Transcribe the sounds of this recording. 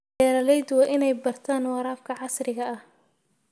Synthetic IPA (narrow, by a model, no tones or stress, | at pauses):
ɛːlɐlɛjd̪wɑːʔɪnɛjbɐrt̪ʰaːnwɑɾaːfkʰɐʕɑsrɪɣɐɐh